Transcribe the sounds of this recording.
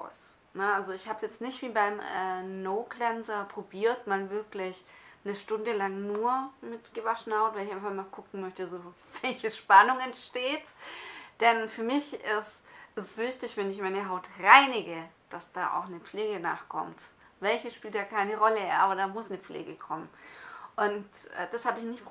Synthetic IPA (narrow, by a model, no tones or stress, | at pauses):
a̰ʊs | nəalzoɪçhaːbsjɛt͡stnɪçtv̥iːbaɪmɛ̰ːnoʊɡlɛnzɐpʁ̥obiːɐtmaːlvɪɐklɪçnəʃtʊndəlaŋnuːɐmɪtɡ̥əvaʃn̩haʊtvaɪlɪçaɪfmmaːlkʊkŋ̩mœçtəazovɛlçəʃpanʊŋɛntʃteːtd̥ɛnfyːɐmɪçɪsʔɛssv̥ɪçtɪçvɛnɪçmaɪnəɦaʊtʁaɪnɪɡəd̥asd̥a̰ːʔa̰ʊxnəp͡fleːɡəna̰ːχkʰɔ̰mt | vɛlçəsʃpiːltd̥aːkʰaɪnəʁɔləʔa̰ːbɐdaːmʊsnəp͡flḛːɡəkʰɔmənʔʊntʔːd̥ashaːbəɪçnɪçtp